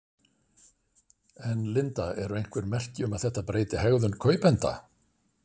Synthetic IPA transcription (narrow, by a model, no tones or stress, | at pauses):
ɛnlɪnt̪aɛɾʏejŋ̥kʰvɛɾmɛr̥cɪʏmaðθɛht̪ːapɾeːjt̪ɪhɛɣðʏnkʰœːɥpɛnt̪a̰